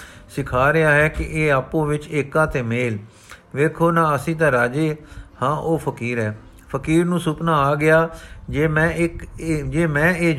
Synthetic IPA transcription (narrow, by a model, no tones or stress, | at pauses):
sɪkʰaːɾɪaːɦɛːkɪʔeːaːpõːʋɪt͡ʃeːkãːt̪eːmeːl | ʋeːkʰoːnãːəsĩːt̪̬ãːɾaːd͡ʒeːhãːʔoːpʰəkiːɾɦɛː | pʰəkiːɾnũːsʊpnaːaːɡɪaːmɛ̃ːɪkd͡ʒeːmɛ̃ːeː